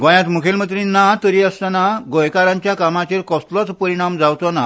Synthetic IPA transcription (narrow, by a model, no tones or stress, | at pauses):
ɡɔ̃jãt̪mukʰelmət̪̬ɾĩnːat̪əɾiəst̪anaɡɔjkaɾãɲt͡ɕjakamat͡ɕeɾkɔst̪lɔt͡spəɾiɽ̃amd͡zawt̪ɔna